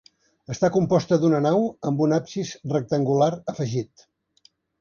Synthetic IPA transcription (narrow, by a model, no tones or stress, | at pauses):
əst̪akumpɔst̪əðunənawəmbunapsisrək̚t̪əŋɡulaɾəfəʒit̪